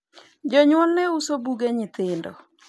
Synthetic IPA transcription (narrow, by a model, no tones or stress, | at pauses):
d͡ʒɔɲwɔnːɛusobuɡeɲɪt̪ɪndɔ̰